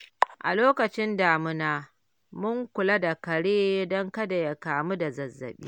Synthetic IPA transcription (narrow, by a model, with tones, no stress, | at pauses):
ʔa̰˨loː˦kɐ˨t͡ʃɪ˦nda˨mʊ˦naː˦ | mʊ˦ŋkʷʊ˨la˦da˨kɐ˨ɽeː˦dɔ˦ŋkɐ˦da˨ja˦kaː˨mu˦da˨zɐ˨zːɐ̰˨ɓḭː˦